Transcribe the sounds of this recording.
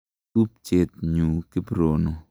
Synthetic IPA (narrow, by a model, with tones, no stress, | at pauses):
tu˦p̚t͡ʃe˨t̪̚ɲu˨kɪ˦bɾo˨no˨